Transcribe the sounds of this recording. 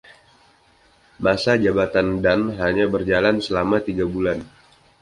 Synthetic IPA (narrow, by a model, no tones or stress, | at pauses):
masad͡ʒabat̪andanɦaɲabərd͡ʒalansəlamat̪iɡabulan